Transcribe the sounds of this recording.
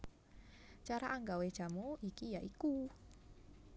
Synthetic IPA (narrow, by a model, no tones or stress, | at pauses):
t͡ʃaɾaʔaŋɡawed̥ʒ̥a̤muikijaʔiku